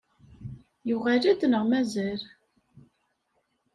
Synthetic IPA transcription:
juʁælæd̪nəʁmæzæɾ

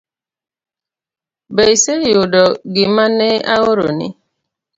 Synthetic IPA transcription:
beisejʊdɔɡɪmaneaɣʊɾo̰nɪ̰

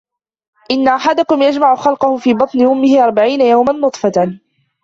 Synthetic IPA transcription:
ʔɪnːaʔaħad̪ʊkʊmjad͡ʒmaʕʊxɑlqʊhʊfiːbɑt̪ˤnɪʔʊmːɪhɪʔɑɾˤbaʕiːnajawmanːʊt̪ˤfɑ

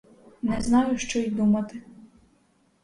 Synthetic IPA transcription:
nɛznɑjʊʃt͡ʃɔjid̪umɐt̪ɪ

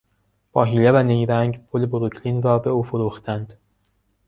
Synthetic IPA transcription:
b̥ɒːɦiːlevænejɾæŋɟpʰoleboɾokʰliːnɾɒːbe̞uːfoɾuːxt̪ʰænd̪̥

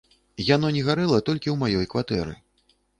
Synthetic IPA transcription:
jan̪ɔnʲɛɣaɾɛlˠɐt̪ɔlʲkʲiwmajɔjkvat̪ɛɾɨ̰

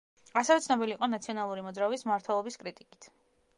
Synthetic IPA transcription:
asɛvɛt̪sʰnɔbiliːqʼɔnat̪sʰiɔnalˠuɾimɔd̪zɾaɔbismaɾt̪ʰwɛlˠɔbiskʼɾit̪ʼikʼit̪ʰ

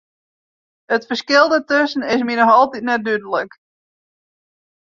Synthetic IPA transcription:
ətfərskɪlˠdətøsn̩ɪs̬minɔxɔlˠtitnɛt̚dydələk

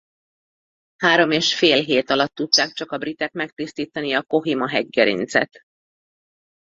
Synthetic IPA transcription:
haːɾo̞meːʃfeːlɦeːt̪ɒlɒt̪ːut̪ːaːkt͡ʃɒkɒbrit̪ɛkmɛk̚t̪ist̪iːt̪ɒniɒko̞ɦimɒɦɛɟɡɛɾḭnt̪sɛ̰t̪

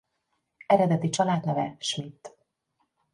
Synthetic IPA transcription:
ɛɾɛd̪ɛt̪it͡ʃɒlaːd̪nɛvɛʃmit̪ː

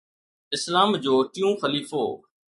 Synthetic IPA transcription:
ɪslaːmd͡ʑoːʈɪjũːxəliːfo̰ː

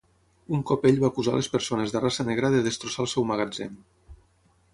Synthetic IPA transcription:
uŋkɔpeʎβaːkuza̰lespəɾsonezðərasəneɣɾəðəðəst̪ɾusalˠsɛwməɣ̞ad͡zḛn

